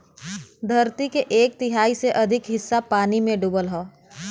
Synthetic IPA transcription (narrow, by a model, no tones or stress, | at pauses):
d̪ʱɐɾt̪ikeʔeːk̚t̪ɪɦaːiseʔɐd̪ʱɪkɦɪsːapaːnimẽɖubəlɦɔː